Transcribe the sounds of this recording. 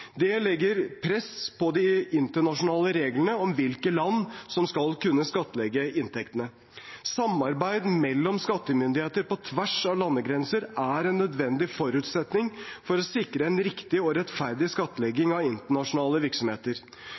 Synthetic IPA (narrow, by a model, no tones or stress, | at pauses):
d̪ɛlɛɡːəɾpʰɾɛspʰɔd̪ɪɪnt̪əɳɑʂʊnɑːləɾeːɡlənəɔmʋɪlkəlɑnːsɔmskɑlkʉnːəskɑt̪ːəlɛɡəʔɪnt̪ʰɛkt̪ənə | sɑmːɑɾbæɪd̪mɛlːɔmskɑt̪ːəmʏnd̪ɪheːt̪əɾpɔt̪ʰʋæʂɑʋlɑnːəɡɾɛnsəɾæɾɛnːœd̪ʋɛnd̪ɪfɔɾʉːt̪sɛt̪nɪŋfɔɾɔsɪkɾəɛnɾɪkt̪ɪɔɾɛt̪fæɾd̪ɪskɑt̪ːəlɛɡɪŋɑɪnt̪əɳɑʂʊnɑːləʋɪɾksɔmheːt̪əɾ